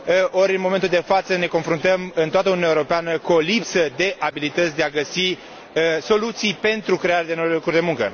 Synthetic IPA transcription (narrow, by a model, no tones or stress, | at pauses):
oɾʲɨnmo̞ment̪uld̪e̞fat̪səne̞konfɾunt̪əmɨnt̪oat̪əununaewoɾopeanəkulipsəd̪e̞ʔabilit̪ət̪sʲd̪e̞aɡəsi | so̞lut̪sijpe̞nt̪ɾukɾe̞aɾead̪e̞nojlokurd̪e̞muŋkə̰